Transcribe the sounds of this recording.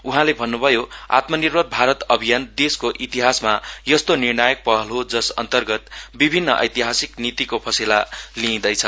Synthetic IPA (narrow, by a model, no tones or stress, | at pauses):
uɦãlebʱʌnːubʱʌjoa̰t̪mʌnirbʱʌbʱaɾʌt̪ʌbʱijand̪eskoʔit̪iɦasmajʌst̪onirnajʌk̚pʌɦʌlɦod͡zʌsʌ̰nt̪ʌrɡʌt̪bibʱinːʌʔʌ̰jt̪iɦasiknit̪ikopʰʌsilalĩːd̪ʌjt͡sʰʌ